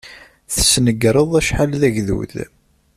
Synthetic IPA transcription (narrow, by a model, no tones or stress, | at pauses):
θəsnəɡɾˤəðˤæʃħalðæʝðṵð